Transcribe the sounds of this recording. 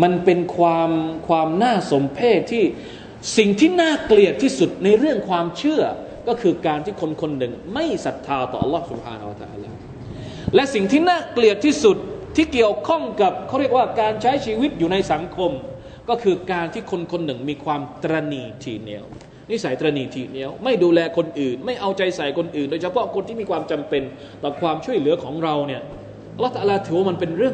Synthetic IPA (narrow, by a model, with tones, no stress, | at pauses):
ma˧npe˧nkʰwaː˧mkʰwaː˧mnaː˥˩so˨˦mpʰeː˥˩t̪̚ʰːiː˥˩ | si˨˩ŋt̪ʰiː˥˩naː˥˩kli˨˩ət̪ʰːiː˥˩su˨˩t̪̚na˧jɾɯ˥˩əŋkʰwaː˧mt͡ɕʰɯ˥˩ɐ | kɔː˥˩kʰɯː˧kaː˧nt̪ʰiː˥˩kʰo˧nkʰo˧nːɯ˨˩ŋma˥˩jsa˨˩t̪ʰːaː˧t̪ɔː˨˩ʔɑ˧lːɔː˦˥˩su˨˩p̚ha̰ː˧nha˧wa˧t̪a̰ː˧la̰ː˧˩ | lɛ˦˥ʔsi˨˩ŋt̪ʰiː˥˩naː˥˩kli˨˩ət̪ʰːiː˥˩su˨˩t̪̚ʰːiː˥˩ki˨˩əwkʰɔ˥˩ŋka˨˩p̚kʰːwɾi˥˩ək̚waː˥˩kaː˧nt͡ɕʰa˦˥jt͡ɕʰiː˧wi˦˥t̪̚juː˨˩na˧jsa˩˦ŋkʰo˧m | kɔː˥˩kʰɯː˧kaː˧nt̪ʰiː˥˩kʰo˧nkʰo˧nːɯ˨˩ŋmiː˧kʰwaː˧mt̪ɾa˧niː˧t̪ʰḭː˨˩ni˦˥əw | ni˦˥sa˨˦jt̪ɾaː˧niː˧˩t̪ʰiː˨˩ni˦˥əwma˥˩jduː˧lɛː˧kʰo˧nʔɯː˨˩nma˥˩jʔa˧wt͡ɕa˧jsa˨˩jkʰo˧nʔɯː˨˩ndoː˧jt͡ɕʰa˧pʰɔ˦˥kʰo˧nt̪ʰiː˥˩miː˧kʰwaː˧mt͡ɕa˧mpe˧n | t̪ɔː˨˩kʰwaː˧mt͡ɕʰu˥˩əjlɯ˩˦kʰɔː˩˦ŋɾa˧wni˥˩ɐ | ʔlːt̪a˧aː˧laː˧t̪ʰɯː˨˦waː˥˩ma˧npe˧nɾɯ˥˩əŋ